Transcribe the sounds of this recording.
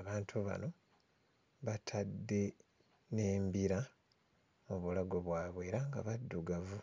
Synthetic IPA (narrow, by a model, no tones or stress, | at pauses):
aβaːntʰuβa̰no̞ | βatʰadːe̞ | ne̞ːmbiɾa | muβulaɡo̞βwaːβwe̞ːɾaŋɡa̰βadːuɡavu